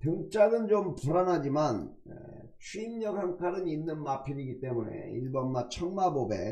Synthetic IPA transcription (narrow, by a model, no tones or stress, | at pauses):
tɯŋt͡ɕ͈aɡɯnd͡ʑompuɾanɦad͡ʑiman | ḛ | t͡ɕʰuimɲʌɡhaŋkʰaɾɯninːɯnmapʰiɾiɡit͈e̞mune̞̰ḭɭbʌnmat͡ɕʰʌŋmabobe̞̰